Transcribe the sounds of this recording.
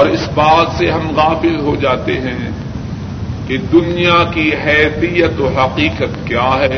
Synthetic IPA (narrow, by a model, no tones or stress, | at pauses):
ɔːɾɪsbaːt̪seɦɐmɣaːfɪlɦod͡ʒaːt̪ḛɦɛ̃ː | ked̪ʊnijakiɦɛːt̪ijət̪oɦɐqiːqət̪kjaːɦɛː